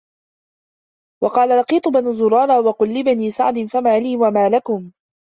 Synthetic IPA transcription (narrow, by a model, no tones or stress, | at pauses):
wɑqɑːlalɑqiːt̪ˤʊbanuzʊɾˤɑːɾˤɑːwɑqʊlːɪbaniːsa̰ʕd̪ɪnfamaːliːwamaːlakʊm